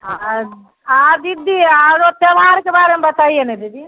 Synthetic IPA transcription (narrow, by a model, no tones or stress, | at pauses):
a | ad̪id̪iaɾot̪eʋaːɾkebaːɾemebɐt̪aːijenɛd̪id̪i